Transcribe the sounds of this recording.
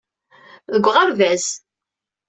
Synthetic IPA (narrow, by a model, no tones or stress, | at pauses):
ðəɡʷːʁəɾvæs